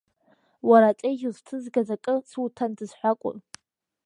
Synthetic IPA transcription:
waɾat͡sʼejʒuztʰɨzɡazakʼɨsʰutʰandɨzħʷakʷʼʊ̰n

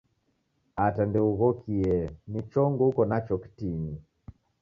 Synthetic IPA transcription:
atandɛuɣɔkʰiɛnit͡ʃɔŋɡɔukɔnat͡ʃɔki̥tini

